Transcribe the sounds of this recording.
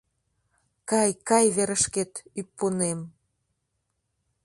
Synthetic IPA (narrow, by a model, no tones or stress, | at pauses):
kɑjkɑjβeɾəʃket̪ypːonem